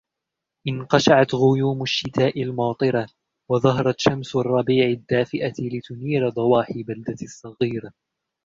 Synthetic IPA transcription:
ʔɪnqɑʃaʕat̪ɣʊjuːmʊʃːɪt̪aːʔɪlmɑːt̪ˤɨɾa | wɑðˤɑɦɑɾˤɑt̪ʃamsrˤːɑbiːʕɪd̪ːaːfɪʔalɪt̪ʊniːɾad̪ˤɑwɑːħɪbald̪asˤːɑɣiːɾa

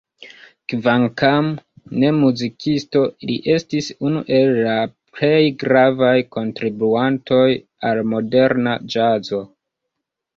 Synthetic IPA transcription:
kvaŋkam | ne̞muzikʰisto̞lḭʔe̞stisunṵʔe̞lːaple̞jɡɾavajko̞ntɾibuanto̞j | almo̞de̞ɾnad͡ʒazo̞

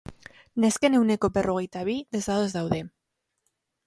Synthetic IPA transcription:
neskenewnekoperoɣit̪aβiðezðaðezðawðe

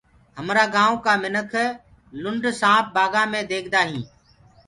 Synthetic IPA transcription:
ɦəmɾaːɡãːõːkaːmɪnəkʰ | lʊɳɖʱsãːp̚baːɡãːmẽːd̪eːkʰd̪aːɦĩː

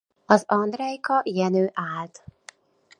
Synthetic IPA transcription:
ɒzɒnd̪rɛjkɒʔijɛnøːʔaːlt̪

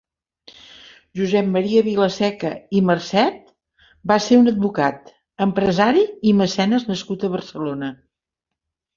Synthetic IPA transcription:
ʒuzɛp̚mːəɾiəβiləsɛkəimərsɛt̪̚ | baseunəd̪̚βukat̪ | əmpɾəzaɾiːməsɛnəznəskut̪əβərsəlonə

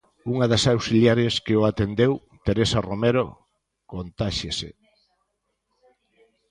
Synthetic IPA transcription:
uŋaðɐsawsiljaɾeskeoat̪end̪ew | t̪eɾesaromeɾo̰ | kont̪aʃesḛ

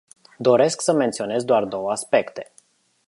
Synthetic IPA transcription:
d̪o̞ɾe̞sksəme̞nt̪sio̞ne̞zd̪oard̪o̞wəaspe̞kt̪e̞̥

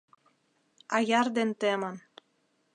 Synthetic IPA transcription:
ɑjɑrd̪ent̪emɤn

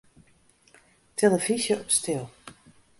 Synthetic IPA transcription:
tʰeləvizjəɔpstɪlˠ

